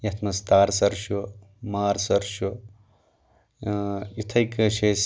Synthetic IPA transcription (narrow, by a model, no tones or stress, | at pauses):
jɐt̪ʰmɐst̪aːɾsɐɾʃo | maːɾsɐɾʃu | it̪ʰɐjkɐʃes